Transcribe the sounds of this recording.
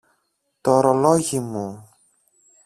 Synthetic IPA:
t̪oɾoloʝimu

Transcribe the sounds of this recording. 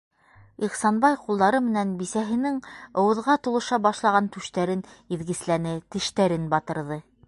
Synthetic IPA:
iχsɑnbɑjqulˠd̪ɑɾɤmɘ̆nænbisæɦɘ̆nɘŋŏwɤ̆ðʁɑt̪ulˠɤ̆ʃɑbɑʃlˠɑʁɑnt̪ʉʃt̪æɾɘniðɡɘ̆slænɘt̪ɘ̆ʃt̪æɾɘnbɑt̪ɤ̆ɾðɤ

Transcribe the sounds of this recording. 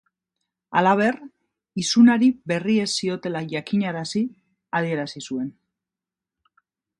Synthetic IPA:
a̰laβ̞e̞r | isunaɾibe̞rie̞sːio̞t̪e̞laʝakiɲaɾasi | að̞ie̞ɾasisue̞n

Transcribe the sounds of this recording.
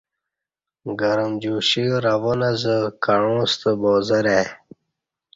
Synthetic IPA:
ɡəɾəmd͡ʑuɕiɾavonazəkaɻõst̪əboːzəɾe

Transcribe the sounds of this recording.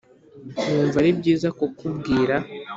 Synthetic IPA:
nuːɱvaɾibɟiːzakokubɡiːɾa

